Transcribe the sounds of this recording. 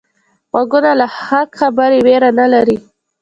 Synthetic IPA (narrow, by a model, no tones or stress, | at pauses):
ɣwaɡunalahaxabəɾeweɾanalaɾi